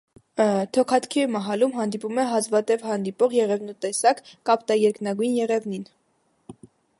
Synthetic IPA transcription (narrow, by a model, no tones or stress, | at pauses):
t̪ʰɔkʰɑt̪ʰkʰimɑɦɑlumɦɑnd̪ipumɛɦɑzvɑt̪ɛvhɑnd̪ipɔʁjɛʁɛvnut̪ɛsɑkːɑpt̪ɑjɛɾknɑɡujnjɛʁɛvnin